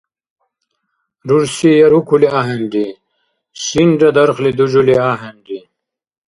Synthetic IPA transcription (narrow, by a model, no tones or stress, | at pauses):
ɾuɾsijɐɾukʰuliaːɦenɖi | sinɖɐd̪ɐɾxlid̪ud͡ʑuliaːɦenɖi